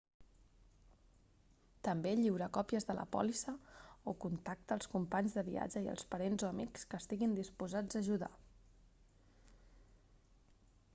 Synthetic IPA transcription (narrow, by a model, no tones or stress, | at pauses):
t̪əmbeʎiwɾəkɔpiəzðələ̰pɔ̰lisəokunt̪ak̚t̪əːlˠskumpaɲzðəβia̰d͡ʒəiə̰lˠspəɾenzoəmikskəːst̪iɣind̪ispuzad͡zəːʒuða̰